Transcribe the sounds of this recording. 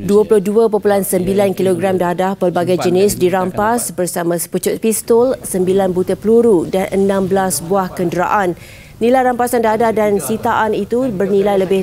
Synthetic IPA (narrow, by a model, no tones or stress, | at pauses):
duəpulʊhduəpopulansəmbilankiloɡɾamdadapəlbaɡajd͡ʒənɪsdiɾampasbərsamãsə̥put͡ʃʊt̪̚pist̪ɔlsəmbilanbut̪əpluɾudanʔənãmblasbuahkəndəɾa̰ʔanː | ilajɾampasandadahdansit̪aʔanit̪ubərnĩlajləbɪ